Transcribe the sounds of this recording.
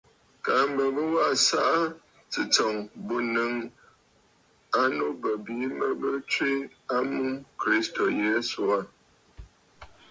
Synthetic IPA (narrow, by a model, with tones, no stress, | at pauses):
ka˨˦m̩˦bə˨bə˦wa˦ʔsa˦ʔa˦ | t͡sɨ˨t͡sɔ˨ŋbo˦nɨ˨˦ŋ | a˦no˦bə˨biː˨˦mə˦bə˦t͡ʃwi˦ | a˦mu˦kɾi˦sto˨je˦su˨a˦˨